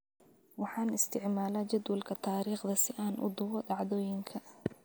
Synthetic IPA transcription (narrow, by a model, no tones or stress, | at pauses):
wɑħɑːnɪst̪ʰɪʕmaːlaːt͡ʃɐd̪wɐlkʰɐt̪ʰaːɾiːχd̪ɐsɪʔaːnʔʊ̰d̪ʊwɔdɑʕðɔːjɪŋkʰɐ